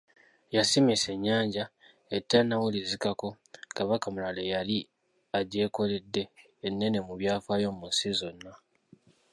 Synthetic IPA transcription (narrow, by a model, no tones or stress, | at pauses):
jasimise̞ɲːaːɲɟa | etːanːawulizikako̞ | kaβakamulalejali | aɟe̞ːko̞le̞dːe̞ː | nːe̞ne̞muβjaːfaːjo̞munsizo̞nːa